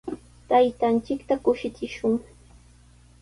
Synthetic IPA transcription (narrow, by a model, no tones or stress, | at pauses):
t̪ajt̪ant͡ʃɪkt̪akʊʃɪt͡sɪʃʊŋ